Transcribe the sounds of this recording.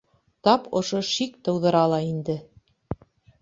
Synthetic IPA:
t̪ɑpŏʃoʃikt̪ɤ̆wðɤ̆ɾɑlˠɑind̪ɘ

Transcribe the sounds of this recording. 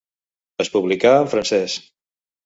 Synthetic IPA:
əspuβlikaːfɾənsɛs

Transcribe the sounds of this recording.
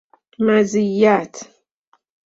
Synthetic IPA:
mazijːat̪

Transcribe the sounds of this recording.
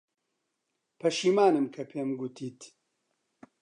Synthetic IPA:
pʰɐʃiːmaːnɨmkʰɐpʰeːmɡut̪ʰiːt̪

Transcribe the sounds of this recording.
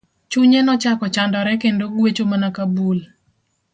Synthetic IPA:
t͡ʃuɲɛnɔt͡ʃakɔt͡ʃandɔɾɛkendoɡwet͡ʃomanakabul

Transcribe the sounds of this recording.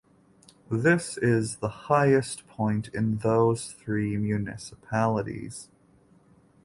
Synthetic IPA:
ðɪsɪzðəhaɪɨspʰɔ̃ɪ̃ntʰɪ̃nðoʊz̥θɹimjʉnɪ̰səpʰælˠəɾḭz̥

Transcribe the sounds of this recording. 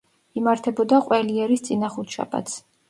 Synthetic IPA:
imaɾt̪ʰɛbɔd̪aqʼwɛliɛɾist̪sʼinaχut̪ʰʃa̰pʼa̰t̪s

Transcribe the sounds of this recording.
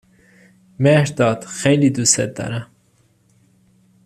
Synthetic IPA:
meʂd̪ɑːt̪xelid̪usḛt̪ːa̰ɾa

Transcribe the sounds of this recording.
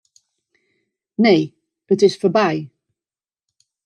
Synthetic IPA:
neɪ | ətɪz̥fəbaɪ

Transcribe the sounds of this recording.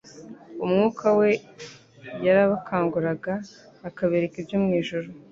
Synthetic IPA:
umŋuːkʰawe̞ | jaɾaβakʰaːŋɡuɾaɡaː | kaβeɾekibjomŋiːʒuɾu

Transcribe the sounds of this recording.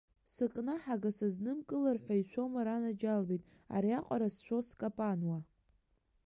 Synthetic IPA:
sɨkʼnaħaɡasaznɨmkʼɨlarħʷaiʃʷʰo̞maɾanad͡ʒalbijtʼ | a̰ɾiaqʷʼaɾasʃʷᶣoskʼapʼanwa

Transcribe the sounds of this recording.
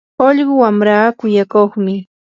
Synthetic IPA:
oʎɢʊwamɾaːkʊjakoχmɪ

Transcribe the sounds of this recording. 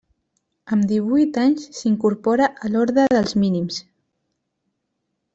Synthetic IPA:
əmd̪iβujt̪aɲssiŋkuɾpɔɾaʔəlɔɾðɾəðəlˠzminims

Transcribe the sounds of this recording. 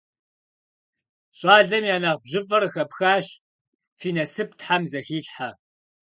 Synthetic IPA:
ɕʼɑːɮɐmjaːnaːʁbʑɪvʼɐrɨxɐpxaːɕ | fiːnɐsɨp̚ʰtħamzɐxiːɬħa

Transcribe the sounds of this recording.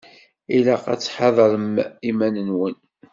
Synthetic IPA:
ilæqæ̰t͡sːħɑðˤɾəmimænənwən

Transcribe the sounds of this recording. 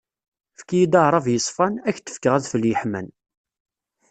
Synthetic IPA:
fkːijid̪ɑɾˤɑvjəsˤfɑnæçt̪ːə̥fkəʁæðfəljəħmæn

